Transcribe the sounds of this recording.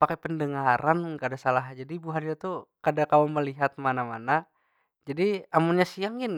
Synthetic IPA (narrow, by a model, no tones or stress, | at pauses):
pakɛpəndəŋaɾʔankadasalaɦd͡ʒadibuɦanɲat̪ukadakaoməliɦat̪̚manamana | d͡ʒadiamunɲasiaŋɪn